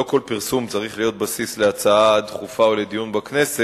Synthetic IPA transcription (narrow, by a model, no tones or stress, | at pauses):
oko̞lpiʁsumt͡saʁiχlijo̞t̪̚basisleat͡saad̪χufaole̞d̪ijunbakne̞se